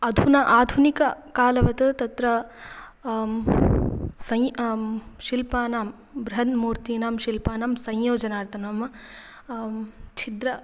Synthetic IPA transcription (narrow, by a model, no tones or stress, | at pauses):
ɐd̪ʱunɐʔaːd̪ʱunikɐkaːlɐʋɐt̪ɐt̪ɐt̪ɾɐ | sɐj | ʃilpaːnaːm | bɾɐɦɐnmuːɾt̪iːnaːmʃilpaːnaːmsɐ̃jjoːd͡ʒɐnaːɾt̪ʰɐnaːm | t͡ʃʰid̪ɾɐ